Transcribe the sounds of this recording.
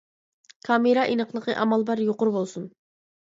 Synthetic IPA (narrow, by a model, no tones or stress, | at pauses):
kʰɑmeɾɑʔinəqʰlˠəqəʔɑmɑlˠbɑɾjoqʊɾbolˠsun